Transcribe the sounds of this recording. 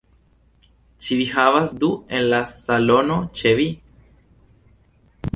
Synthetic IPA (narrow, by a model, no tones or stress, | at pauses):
t͡ʃivixaβasd̪uenlasalonot͡ʃevi